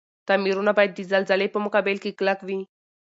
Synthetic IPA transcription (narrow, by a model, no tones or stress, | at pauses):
t̪amiɾunabajt̪̚d̪id͡zald͡zalejpəmukabelkiklakʋi